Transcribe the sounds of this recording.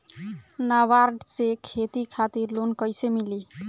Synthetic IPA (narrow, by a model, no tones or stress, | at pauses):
naʋaɾɖsekʰet̪ikʰat̪iɾlonkəjsemili